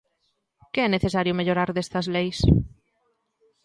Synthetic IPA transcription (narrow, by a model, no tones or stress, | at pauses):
kɪɛneθesaɾjʊmeʎoɾaɾðest̪ɐzlejs